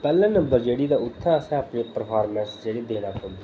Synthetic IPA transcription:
pɛːlãːnəmbəɾd͡ʒeːɽiːd̪aːʊt̪ʰːaːəsɛ̃ːəpnẽːpəɾpʰaːɾmɛ̃ːsd͡ʒeːɽiːd̪eːnaːkʊ̃nd̪iː

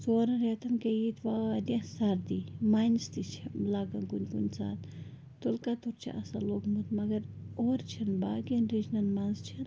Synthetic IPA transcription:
zoːɾɐ̃ɾet̪ɐnkejit̪ʰʋad̪ʲɐ̃sɐɾd̪imaːjnst̪it͡ʃʰilaːɡɐnɡunʲɡunʲt͡sa̰ːt̪ | t̪ulkat̪uɾt͡ʃʰḭʔɐsa̰loːkmut̪mɐɡɐɾoːɾt͡ʃʰɐnbaːɡɐnɾid͡ʒnɐnmɐnzt͡ʃʰɐn

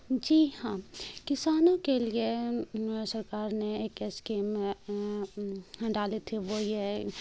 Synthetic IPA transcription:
d͡ʒiːɦãːkɪsaːnõkelie | sɐɾkaːɾneeːkeskeːm | ɖaːlet̪ʰeʋoje

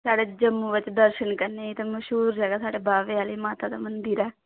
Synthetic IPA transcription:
saːɽeːd͡ʒəmːũːʋɪt͡ʃd̪əɾʃənkəɾneːit̪ãːməʃɦuːɾd͡ʒɛːɡaːsaːɽeːbʱaːʋeːaːleːmaːt̪aːd̪aːmənd̪iɾɛː

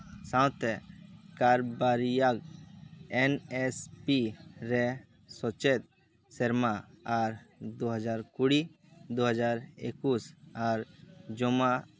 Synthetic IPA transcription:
sãwt̪ɛkaɾbaɾijaɡ | ɛnɛspiɾɛ | sɔt͡ʃet̪̚ | sɛɾmaaɾd̪oɦəd͡ʒaɾkuɽi | d̪oɦəd͡ʒaɾḛkusaɾd͡ʒɔma

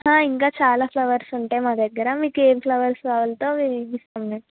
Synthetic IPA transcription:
ɦãːiŋkaːt͡ʃaːlaːpʰlɐʋɐɾsuɳʈe̞ːmaːd̪ɐɡːɐɾɐmiːkeːʋipʰlɐʋɐɾsʋaːʋɐlɐt̪o̞ːʋiʋist̪ɐmne

